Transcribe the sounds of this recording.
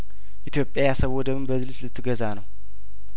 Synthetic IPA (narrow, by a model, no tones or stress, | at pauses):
ʔit̪ʰjo̞pʼːjajasəβwɔd̪əmɨnbəzɨlɨslɨt̪ʰːɨɡəzanəw